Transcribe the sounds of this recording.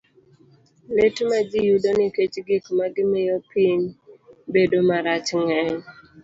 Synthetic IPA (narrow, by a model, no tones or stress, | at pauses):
letmad͡ʒɪjudonɪket͡ʃɡɪkmaɡɪmɪjɔpiɲbedomaɾat͡ʃŋɛɲ